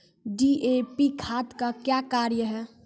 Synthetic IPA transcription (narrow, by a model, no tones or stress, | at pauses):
ɖiepikʰaːt̪kakjakaːɾjəɦɛː